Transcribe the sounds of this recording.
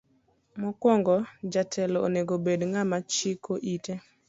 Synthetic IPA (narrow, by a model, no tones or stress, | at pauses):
mɔkwɔŋɡɔd͡ʒatʰɛlɔo̰neɡobedŋamat͡ʃɪkʰoʔite